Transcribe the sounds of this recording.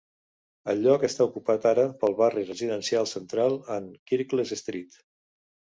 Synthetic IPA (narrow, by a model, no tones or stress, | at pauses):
əʎɔkəst̪aukupat̪aɾəpəlˠβarirəziðənsialˠsənt̪ɾalˠəŋkiɾklezəst̪ɾit̪